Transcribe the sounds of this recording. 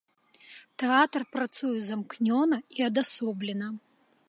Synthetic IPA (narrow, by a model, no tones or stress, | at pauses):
t̪ɛat̪ɐrpɾat̪sujɛzamknʲɔnɐiɐd̪asɔblʲɛnɐ